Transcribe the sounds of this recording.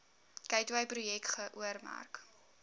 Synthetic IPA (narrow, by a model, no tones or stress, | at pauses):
kɛjtvɐjprujɛktχəʔuərmæ̰rk